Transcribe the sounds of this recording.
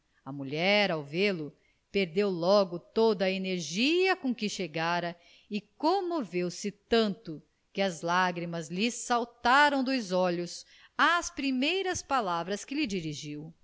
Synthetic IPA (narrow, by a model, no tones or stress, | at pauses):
ɐmuʎɛɾawvelʊ | peɾd̪ewlɔɡʊt̪od̪ɐeneɾʒiɐkõkɪʃeɡaɾɐ | ɪkõmovewsɪt̪ɐ̃nt̪ʊ | kɪɐzlaɡɾimɐzlɪsawt̪aɾɐ̃w̃d̪ʊzɔʎʊs | ɐspɾimejɾɐspalavɾɐskɪlɪd͡ʒiɾiʒiw